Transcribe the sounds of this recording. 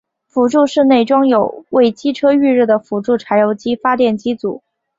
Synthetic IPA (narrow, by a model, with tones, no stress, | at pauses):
fu˧˥ʈ͡ʂu˥˧ʂɻ̩˥˧ne˥˩ɪʈ͡ʂʊ˥ŋjo˨˩ʊwe˥˩ɪt͡ɕi˥ʈ͡ʂʰɤ˥y˥˧ɻ̩˥˩d̪ə˩fu˧˥ʈ͡ʂu˥˩ʈ͡ʂʰa˧˥ɪjo˧˥ʊt͡ɕi˥fa˥t̪jɛ˥˩nt͡ɕi˥t͡sṵ˨˩˦